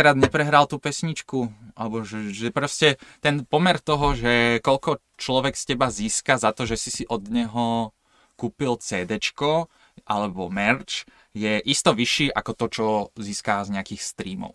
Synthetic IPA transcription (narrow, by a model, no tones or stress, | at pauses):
kɾaːd̪ɲɛpɾɛɦɾalt̪uːpɛsɲit͡ʃkuʔa̰lɛbɔʒɛʒɛpɾɔscɛt̪ɛnpɔmɛɾt̪ɔɦɔʒɛkɔʎkɔ | t͡ʃlɔʋɛkscɛbaziːskazat̪ɔʒɛsisiʔɔd̪ɲɛɦɔ | kuːpilt͡sɛːd̪ɛt͡ʃkɔ | ʔa̰lɛbɔmɛɾt͡ʃ | jɛʔist̪ɔʋiʃiːʔa̰kɔt̪ɔt͡ʃɔziːskazɲɛakiːxst̪ɾiːmɔ̰ʊ